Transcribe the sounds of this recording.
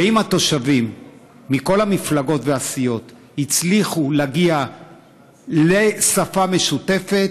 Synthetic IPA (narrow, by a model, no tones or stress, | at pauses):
veimhat̪o̞ʃavimː | iko̞lhamiflaɡo̞tveasijo̞t̪ | hit͡sliχulaɡia | lesafame̞ʃute̞fe̞t